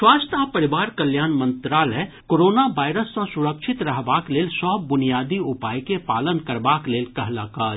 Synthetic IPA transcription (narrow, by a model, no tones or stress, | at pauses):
swaːst̪ʰapɐɾɪʋaːɾkəljaːnmə̃nt̪ɾaːlɛ | koːɾoːnaʋaːɪɾəsːãsʊɾəkʃɪt̪ɾɐɦbaːkleːlsɔːbbʊnijaːd̪iʊpaːjkepaːlənkɐɾbaːkleːlkɐɦlaːkaː